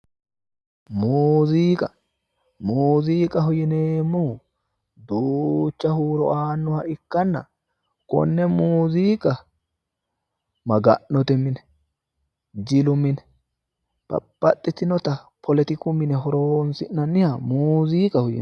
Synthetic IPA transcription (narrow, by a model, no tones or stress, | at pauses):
muːziːkʼɐ | muːziːkʼɐɦɔjɪneːmːʊ | d̪uːt͡ʃːɐhuːɾɔ̰aːnːʊhɐɪkːɐnːɐ̰ | kɔ̰nːɛmuːziːkʼɐ | mɐɡɐʔːɔt̪ɛmːɪnɛ̥ | d͡ʒɪlʊmɪnɛ̥ | pɐ̰pːɐt̪ʼːɪt̪ɪnɔt̪ɐpʰɔlɛt̪ɪkʊmːɪnɛɦɔɾonsɪnnːɐnːɪhɐmuːziːkʼɐhɔjɪ̰n